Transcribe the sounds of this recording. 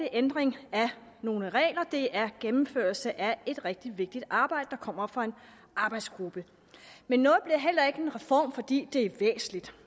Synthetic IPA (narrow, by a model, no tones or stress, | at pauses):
iʔend̥ʁeŋæ | no̝ːləʁɛ̰ːlɐd̥e̝ʔæɐɡ̥emm̩føːɐlsəʔæe̝d̥ʁɛɡ̥̚d̥iʋe̝ɡ̥̚d̥id̥ɑ̈ːb̥ɑ̈ɪd̥əd̥ɑ̈kʰɒ̽m̰ɐfʁɑ̈e̝n | ʔɑ̈ːb̥ɑ̈ɪd̥sɡ̥ʁub̥ə | menːɔ̽ːð̩ˠb̥liɐɦel̰ɐe̝ɡ̥əe̝nʁɛfɒ̰ːmfɒ̽d̥ḭːd̥e̝æʋḛːsn̩lid̥